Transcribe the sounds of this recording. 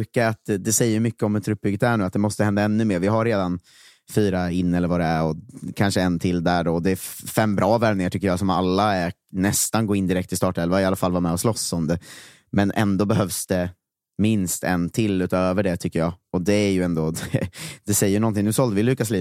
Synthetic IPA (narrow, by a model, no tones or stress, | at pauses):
kaat̪d̪ɛsɛjːəjmʏkːəɔmɛt̪ʰːɾɵp̚bʏɡːət̪d̪æːɳʉːat̪̚d̪ɛmɔst̪əhɛnd̪aɛnːɵmeːɾvɪɦaɾːeːd̪an | fyːɾaɪnːɛlːəɾvad̪ɛæɾɔkʰanʂəɛnt̪ʰɪld̪æɖɔd̪ɛːfɛmːbɾʔɑːvɛɾmnɪŋaʈʰʏkːəɾjɑːsɔma̰lːaænɛst̪anɡoːɪnd̪ɪɾɛk̚t̪ʰːɪst̪ɑːʈɛlvaɪalːafalvaɾmɛːɔslɔsːɔmd̪ɛ | mɛnʔɛ̰nd̪oːbɛɦœvsd̪̥ɛ | mɪnst̪ɛ̰nt̪ʰɪlːʉ̟ːt̪øːvəɖɛt̪ʰʏkːəjɑːɔd̪ɛæɾjɵɛnd̪oːd̪ɛd̪̥ɛsɛjːəjnɔnt̪̬ʰɪŋnʉːsɔld̪əvɪlʉ̟ːkasliː